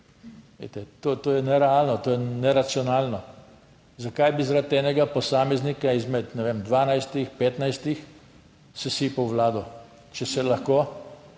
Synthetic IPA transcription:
ʋḛt̪ɛt̪oːt̪oːjɛnɛɾɛaːlnɔt̪oːjɛnɛɾat̪siɔnaːlnɔ | zakajbizaɾat̪ɛːnɛɡapɔsaːmɛznikaizmɛt̪nɛʋeːmd̪ʋaːnajst̪ixpeːt̪najst̪ix | sɛsiːpɐwʋlaːd̪ɔ | t͡ʃɛsɛlɐxkoː

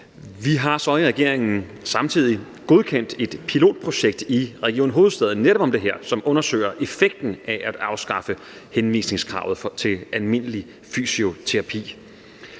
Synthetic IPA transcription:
ʋiɦɑ̈sɒ̽iʁaɡ̥e̝ɐ̰eŋn̩ | sɑ̈mt͡sʰið̞̰ˠi | ɡ̥o̝ðˠkʰen̰d̥e̝d̥pʰilo̝̰ːd̥̚pʰʁo̝ɕeɡ̥̚d̥iʁɛɡ̥io̰ːnɦo̝ːð̩ˠsd̥ɛð̩ˠneɾɒ̽b̥ɒ̽md̥e̝ɦɛɐ̰sɒ̽mʔɔ̽nɐsø̰ɪ̰ɐʔe̝feɡ̥̚d̥n̩ʔæʔæd̥ɑ̈ʊsɡ̥ɑ̈fə | henʋḭːsne̝ŋskʰʁɑ̈ʊð̩ˠt͡sʰe̝lælme̝n̰əli | fy̰sio̝t͡sʰe̝ʁɑ̈pʰḭː

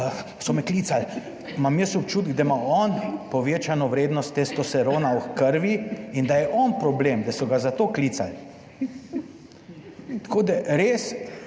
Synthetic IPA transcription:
sɔmɛkliːt̪sal | mamjəsɔpt͡ʃuːt̪̚ɡ̚d̪amaɔnpɔʋeːt͡ʃanɔʋɾeːd̪nɔst̪ːest̪ɔsɛɾoːnawxkəɾʋiind̪ajɛʔɔnpɾɔblemd̪asɔɡazat̪oːkliːt̪sal | t̪koːd̪aɾeːs

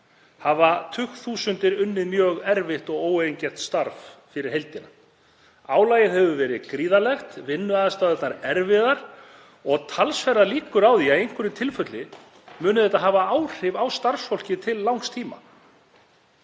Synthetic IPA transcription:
havat̪ʰʏxθuːsʏnt̪ɪɾʏnːɪmjœːɣɛɾvɪht̪ɔɣoːwejɲcɛht̪st̪aɾffɪɾɪɾ̥ɦejlt̪ɪna | aːwlaːjɪðhɛvʏvɛːɾɪðkɾiːðalɛxt̪vɪnːʏaðast̪aðɛt̪naɾɛɾvɪðaɾ̥ | ɔɣt̪ʰalsfɛɾaliːkʏɾawðiaejŋ̥kvʏɾɪt̪ʰɪlfœt̪lɪ | mʏːnʏðθɛjt̪aɦavaaːwr̥ɪvawst̪aɾsfowl̥cɪt̪ʰɪlːawŋkst̪ʰiːma̰

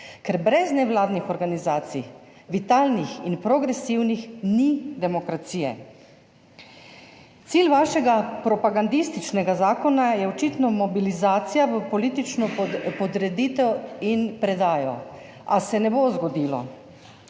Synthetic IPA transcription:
kɛɾbɾɛznɛʋlaːd̪nixɔɾɡanizaːt̪sḭʋit̪aːlnixinpɾɔɡɾɛsiwnixnid̪ɛmɔkɾat̪siːjɛ̰ | t̪siːlʋaːʃɛɡapɾɔpaɡand̪ist̪it͡ʃnɛɡazaːkɔnajɛɔt͡ʃit̪nɔmɔbilizaːt̪sijaʋəpɔliːt̪it͡ʃnɔpɔd̪ɾɛd̪it̪ɛwinpɾɛd̪aːjɔ | asɛnɛbozɡɔd̪iːlɔ̰

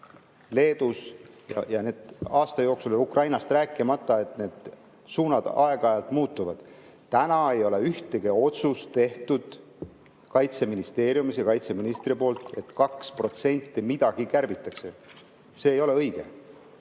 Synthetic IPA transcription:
le̞ːd̪̥usjɑ̰jɑne̞ːd̪̥ɑːst̪ɑjo̞ːksulukrɑjnɑst̪ræːkːˑimɑt̪ːˑɑe̞t̪ne̞ːd̪̥ | suːnɑd̪̥ɑe̞ɡ̥ɑɑjɑlt̪muːt̪ːˑuvɑd̪̥ | t̪ænɑe̞jo̞leyht̪eɡ̥eo̞t̪sust̪e̞ht̪ud̪̥ | kɑjt̪se̞minist̪e̞ːɾjumisjɑkɑjt̪se̞minist̪ripo̞ːlt̪e̞t̪kɑkspro̞t̪se̞nʲt̪ːimid̪ɑɡ̥ikærbit̪ːˑɑkse̞ | se̞ːjo̞le̞ɤjɡ̥ḛ

